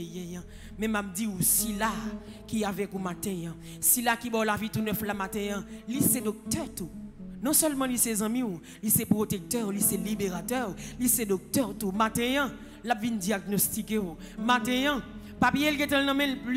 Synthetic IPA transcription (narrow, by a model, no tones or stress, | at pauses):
jɛ̃jã | mɛ̃map̚diusila | kiavɛkumat̪ɛ̃jã | silakibɔwlavit̪unœflamat̪ɛ̃jãlisɛd̪ɔk̚t̪œʁt̪unɔ̃sɛlmãlisɛzɐ̃mĩw | lisɛpʁot̪ek̚t̪œʁlisɛlibeʁat̪ɛʁlisɛd̪ɔk̚t̪ɛʁt̪umat̪ɛ̃jã | lapvindiaɡ̚nost̪ikew | mat̪ɛ̃jã | papijelkẽt̪ɛ̃lnãmɛ̃lpl